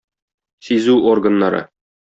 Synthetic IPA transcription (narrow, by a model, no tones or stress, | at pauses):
sizʉorɡə̆nːɑɾɤ̰